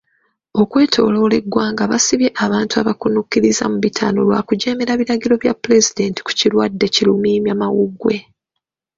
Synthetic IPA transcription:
o̞kwe̞ːtʰo̞̰ːlo̞ːle̞ɡːwaːŋɡaβasiβje̞ʔaβaːntuaβakunukːiɾiza̰muβitʰaːno̞̰lwa̰ːkuɟe̞ːmeɾaβiɾaɟiɾo̞βjapːule̞zide̞ːnti̥ku̥ciɾwadːe̞cilumiːmjamawuɡwe̞

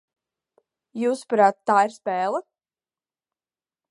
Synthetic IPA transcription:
juːspɾaːt̪ːaːiɾspɛːlˠə

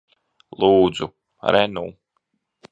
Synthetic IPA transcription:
lˠuːd̪zu | ɾɛnuː

